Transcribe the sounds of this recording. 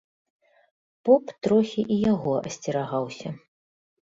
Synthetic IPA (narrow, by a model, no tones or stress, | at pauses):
pɔpt̪ɾɔxʲiʔijaɣɔɐ̰sʲt͡sʲiɾaɣawsʲɐ